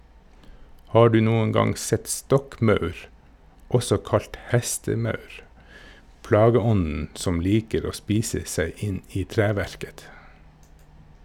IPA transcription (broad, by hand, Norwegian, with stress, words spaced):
ˈhɑː ˈɖʉː ˈnuːən ˈɡɑŋ ˈsɛt ˈstɔkˌmɑʉɾ ˈɔsɔ ˈkɑlt ˈhɛstəˌmɑʉɾ ˈplɑːɡəˌɔnn̩ ˈsɔm ˈliːkəɾ ˈoː ˈspiːsə ˈsæɪ ˈɪn ˈiː ˈtɾæːʋæɾkət